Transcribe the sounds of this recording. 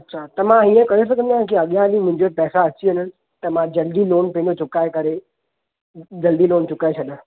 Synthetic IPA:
ɐtːɕʰat̪ɐmãiːə̃kɐjos̬ɐkə̃nd̪ãkiɐɠjãlimʊ̃ɦɪ̃ɲd͡ʑepɛːsaɐt͡ɕiɦɐnənɪ̆ | t̪ɐmãd͡ʑɐld̪iloːnpẽɦd͡ʑot͡ɕʊkaːekɐɾe | d͡ʑɐld̪iloːnt͡ɕʊkaːet͡ɕʰɐd̪ã

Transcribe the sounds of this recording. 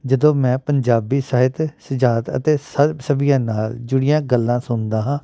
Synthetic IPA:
d͡ʒəd̪õːmɛ̃ːpəɲd͡ʒaːbiːsaːɦɪt̪səd͡ʒaːt̪ə̰t̪eːsəsəbɪjãːnaːld͡ʒʊɽɪjãːɡəlːãːsʊnd̪aːɦãː

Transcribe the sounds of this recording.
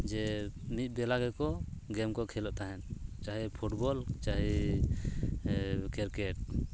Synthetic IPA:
d͡ʒɛmit̪̚ˀbɛlaɡɛkɔɡɛmkɔkʰɛlɔʔt̪aɦɛnt͡ʃaɦɛpʰuʈbɔlt͡ʃaɦɛ | kɛɾkɛʈ̚

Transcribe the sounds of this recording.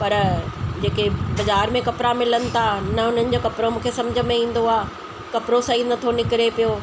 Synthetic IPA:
pɐɾd͡ʑeːkebɐzaːɾmẽkɐpɾamɪlənɪ̆t̪ʰanɐʊn̤ənɪ̆d͡ʑoːkɐpɾomũːkʰesɐ̃md͡ʑʱə̆mẽĩːn̆d̪oaː | kɐpɾosɐinɐt̪ʰonɪkɪɾepijoː

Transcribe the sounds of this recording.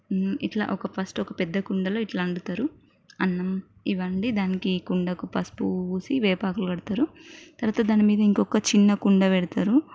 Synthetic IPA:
iʈla̰ːʔɔkɐpɐsʈɔkɐpɛd̪ːɐkuɳɖɐloːiʈlaːɳɖut̪aːɾu | ɐnːɐm | iʋɐɳɖid̪aːnikikuɳɖɐkupɐspuuːsiʋɛːpaːkuluɡɐɽut̪aːɾut̪ɐɾʋaːt̪ɐd̪aːnimiːd̪ɐiŋkɔkːɐt͡ʃinːɐkuɳɖɐʋɛɽut̪aːɾu

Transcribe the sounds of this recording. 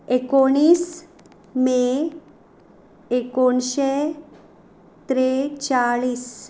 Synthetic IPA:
ekoɽ̃iːs | me | konɕe | t̪ɾet͡ɕaɭiːs

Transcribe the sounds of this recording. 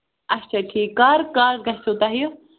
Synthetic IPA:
ɐt͡ʃʰaʈʰiːkːaːɾkaːɾɡɐɦsot̪aːɦijo

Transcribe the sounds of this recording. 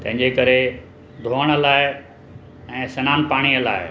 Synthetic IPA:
t̪ɐ̃ɦɪ̃ɲd͡ʑekɐɾe | d̪ʱoːɦəɽ̃əlaːɪ | ɛ̃ːsɐnaːnpaːɽ̃iəla̰ːɪ

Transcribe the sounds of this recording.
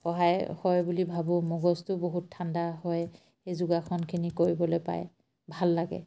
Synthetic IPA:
xɔɦajhɔjbulibʱabʊmɔɡɔstʊboɦutʰːandaɦɔj | ejzuɡakʰɔnkʰinikoɹibɔlojpa̰j | bʱalːaɡɛ̰

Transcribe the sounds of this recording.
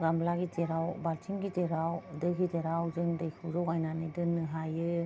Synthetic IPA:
ɡamlaɡiteɾawbaltʰimɡiteɾawdɯkʰiteɾawzɯŋdɯjkʰuzɔkajnanɯdɯnɯɦajɯ

